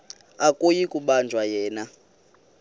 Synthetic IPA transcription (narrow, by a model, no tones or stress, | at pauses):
akʼojikʼuɓand͡ʒʱwajɛːna